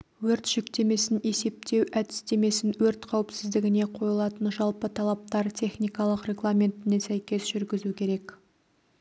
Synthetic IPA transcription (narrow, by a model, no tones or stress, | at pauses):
wɵɾt̪ʒ̥ʏkt̪e̞me̞sɪne̞se̞p̚t̪e̞wæd̪ɪ̥st̪e̞me̞sɪnwɵɾt̪qʰɑwəpsɪzd̪ɪɡʲɪne̞qʰo̞jəlˠɑt̪ənʒɑlˠpət̪ʰɑlˠɑp̚t̪ɑɾt̪ʲʰe̞χnijkɑlˠəqrʲe̞ɡlˠamʲe̞nt̪ɪne̞sæjkʲe̞sʒʏɾɡʲɪzukʲʰe̞ɾe̞k